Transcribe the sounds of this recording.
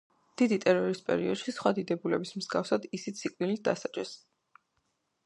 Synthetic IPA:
d̪̥id̪it̪ʼɛɾɔɾispʼɛ̰ɾḭɔd̪̥ʃisχwad̪id̪ɛbulɛ̰bismz̥ɡafsad̪isit̪sʰikʼvilit̪̚ʰd̪a̰sad͡ʒʼɛs

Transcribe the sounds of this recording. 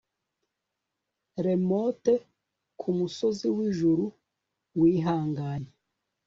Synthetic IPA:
ɾe̞mote | kʰumuso̞ziwiʒuɾu | wiːɦaːŋɡaːɲe

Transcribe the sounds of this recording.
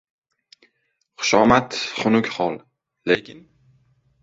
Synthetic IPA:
χʊ̥ʃɒmat̪χʊnʊkʲχɒlˠ | lekʲʰɪn

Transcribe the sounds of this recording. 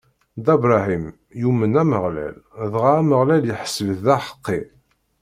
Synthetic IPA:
d̪æbɾˤɑhim | jumənæməʁlæ̰lðʁaæməʁlæljəħə̥sːəvəθðæħə̥qːi

